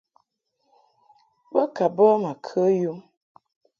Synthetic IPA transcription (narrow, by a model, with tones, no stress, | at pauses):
bə˦ka˨bə˦ma˨kʰə˦ju˦